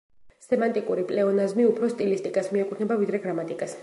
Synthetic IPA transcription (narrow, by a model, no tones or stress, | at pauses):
sɛmant̪ʼikʼuɾipʼlɛɔnazmiupʰɾɔst̪ʼilist̪ʼikʼasmiɛkʼut̪ʰnɛbavid̪ɾɛɡɾamat̪ʼikʼas